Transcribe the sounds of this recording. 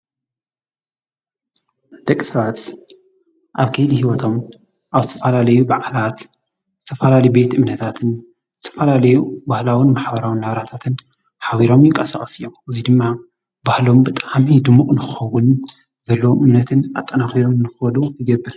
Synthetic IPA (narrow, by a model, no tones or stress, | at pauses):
d̪̥ɐkʼːisɐβat̪ | ʔaβkʰɐjd̪ihiwɔt̪ʰo̞m | ʔaβzɨt̪ʰɐfɐlalɐjubʕlat̪ | z̥ɨt̪ʰɐfɐlalɐjibe̞t̪ʔɨmnɐt̪ʰat̪ʰɨn | z̥ɨt̪ʰɐ̥fɐlalɐjubahlawinmaħbɐɾawinhaβɾat̪ʰat̪ʰɨn | ħaβiɾo̞mjɪŋkʼɐsa̰kʼɐsɨjo̞mʔɨzid̪ɨmːa | bahlo̞mbɨt̪ʼamid̪ɨmːukʼnɨxɨxɐwʊn | zɐlːɐwʔɨmnɐt̪ʰɨna̰t̪ʼːɐnaxiɾo̞mnɨxɨɐlut̪ʰɨɡɐbːɨɾ